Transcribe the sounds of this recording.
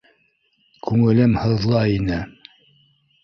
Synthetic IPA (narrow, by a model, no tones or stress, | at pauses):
kʉŋɘ̆lɘmhɤ̆ðlˠɑinɘ